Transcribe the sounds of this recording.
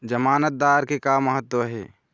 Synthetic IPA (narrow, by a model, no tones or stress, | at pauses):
d͡ʒəmaːnət̪̚d̪aːɾkekaːmːəɦət̪ːwəɦɛ̰ː